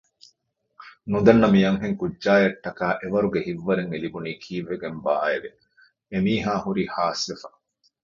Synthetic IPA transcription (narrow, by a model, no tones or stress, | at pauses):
nud̪ɐnːɐmijɐŋɦeŋkuɟʒaːjɐʈːɐkaːʔeʋɐɾuɡehiʋːɐɾeŋelibuniːkʰiːʋːeɡembaːeʋe | emiːɦaːhuɾiːhaːsʋefɐ